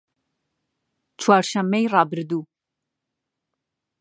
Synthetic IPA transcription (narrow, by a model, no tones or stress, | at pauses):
t͡ʃʰwaːɾʃɐmːejrɑːbɨɾd̪uː